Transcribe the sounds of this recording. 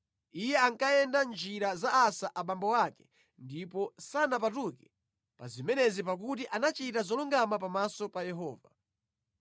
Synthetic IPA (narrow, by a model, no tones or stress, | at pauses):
ijɛaŋkajɛndand͡ʒiɾazaːsaʔaɓambɔwakɛ̥ | ndipɔsanapatukɛ̥ | pa̰zimɛnɛzip̬ak̬ut̬iʔanat͡ʃitazɔluŋɡamapamasɔpajɛɦɔːva